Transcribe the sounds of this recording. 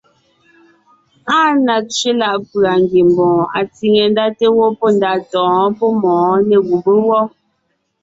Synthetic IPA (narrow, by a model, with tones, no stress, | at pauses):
a˦na˨t͡ʃe˦la˦˨ʔpɰa˨ŋ˨ɡi˨m˨bɔ̃˨a̰˨t͡si˨ŋe˨n˦da˦te˦wɔ˦pɔ˦˨n˦da˨tɔ̃ː˨˦pɔ˦mɔ̃ː˨˦nɛ˨ɡu˨bə˦wɔ˦